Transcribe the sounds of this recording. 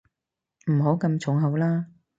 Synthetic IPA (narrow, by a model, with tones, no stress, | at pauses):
m̩˨˩ɦo˨˥wkɐ˧mt͡sʰʊ˨˥ŋɦɐ˨˧wlaː˥